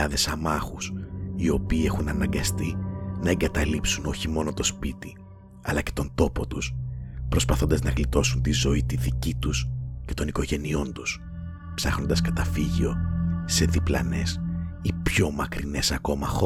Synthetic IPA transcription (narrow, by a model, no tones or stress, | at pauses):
ɐðe̞sɐmɐxusio̞piːe̞xunɐnɐŋɡɐst̪inɐe̞ŋɡɐt̪ɐlipsuno̞çimo̞no̞t̪o̞spit̪i | ɐlɐce̞̥t̪o̞nd̪o̞po̞t̪uspɾo̞spɐθo̞nd̪ɐznɐɣlit̪o̞sunt̪izo̞it̪iðicit̪usce̞̥t̪o̞niko̞ʝe̞nio̞nt̪us | psɐxno̞nd̪ɐskɐt̪ɐfiʝio̞se̞ðiplɐ̰ne̞sipço̞mɐkɾine̞sɐko̞mɐxo